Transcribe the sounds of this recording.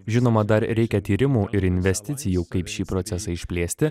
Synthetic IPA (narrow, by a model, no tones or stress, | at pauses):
ʒʲɪnoːmɐd̪ɐɾɾʲɛɪkʲɛt̪ʲiːɾʲɪmuːʔɪɾɪnʲʋʲɛsʲt̪ʲɪt̪sʲɪjuːkɐɪpʃʲiːpɾoːt̪ʲɛsɐɪʃʲpʲlʲeːsʲt̪ʲɪ